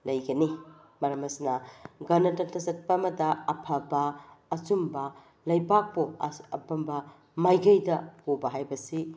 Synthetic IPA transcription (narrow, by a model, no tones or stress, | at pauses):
lɐjɡɐni | mɐɾɐmɐsinɐɡɐnɐtɐtɐsɐt̚pɐːmɐdɐɐpʰɐbɐːt͡ʃumbɐ | lɐjpak̚poɐpɐmbɐ | majɡɐjdɐpobɐɦajbɐsi